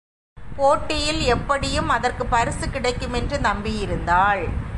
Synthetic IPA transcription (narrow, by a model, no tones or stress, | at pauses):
poːʈːɪjɪlɛpːɐɽɪjɯmɐðɐrkɯpɐɾɯsɯkɪɽɐɪkːɯmɛndrɯnɐmbɪjɪɾɯnd̪aːɭ